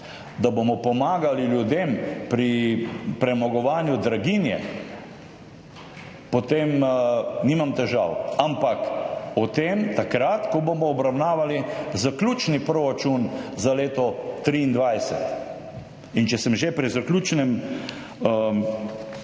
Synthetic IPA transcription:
d̪abomɔpɔmaːɡaliljud̪empɾipɾɛmɔɡɔʋaːnjud̪ɾaɡinjɛ̰ | pɔt̪emniːmamt̪ɛʒawampakɔt̪emt̪akɾat̪kɔbomɔːbɾawnaːʋalizaklʲuːt͡ʃnipɾoɾat͡ʃunzaleːt̪ɔt̪ɾiːnd̪ʋajsɛ̰t̪ | int͡ʃɛsɛmʒepɾizaklʲuːt͡ʃnɛm

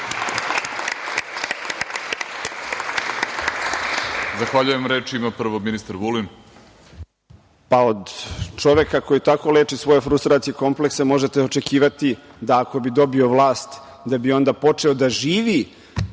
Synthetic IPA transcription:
zaxʋaʎuje̞mɾeːt͡ʃiimapr̩ʋominist̪aɾʋulin | pao̞d̪t͡ʂo̞ʋe̞kako̞jit̪ako̞le̞ːt͡ʃisʋo̞jefɾust̪ɾaːt̪sijeko̞mple̞kse̞mo̞ʒet̪eo̞t͡ʃe̞kiːʋat̪id̪aːko̞bid̪o̞bio̞ʋlˠaːst̪ | d̪abio̞nd̪apo̞t͡ʂe̞o̞d̪aʒiːʋi

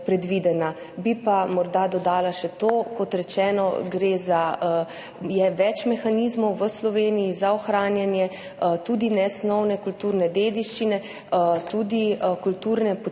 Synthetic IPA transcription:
pɾɛd̪ʋid̪ɛna | bipamɔɾd̪ad̪ɔd̪aːlaʃɛt̪oːkɔt̪ɾɛt͡ʃɛːnɔɡɾeːza | jɛʋɛt͡ʃmɛxaniːzmɔwʋəslɔʋeːnijizaɔxɾaːnjanjɛ | t̪uːd̪inɛsnɔwnɛkult̪uːɾnɛd̪eːd̪iʃt͡ʃinɛ | t̪uːd̪ikult̪uːɾnɛp

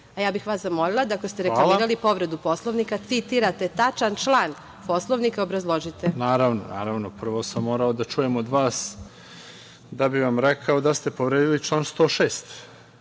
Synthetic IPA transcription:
ajaːbixʋaːszamo̞lilˠad̪akost̪eɾelamːɾalipo̞ʋɾe̞d̪upo̞slˠoʋnikat̪sit̪iɾat̪e̞t̪at͡ʃant͡ʃlˠaːn | po̞slˠoʋnikaobɾazlˠo̞ʒit̪enaːɾaʋno̰na̰ːɾaʋnopr̩ʋosamːoːɾaod̪at͡ʃujemod̪ʋaːs | d̪abiʋamɾekʰaod̪ast̪e̞po̞ʋɾed̪ilit͡ʃlˠaːnst̪o̞ːʃeːst̪

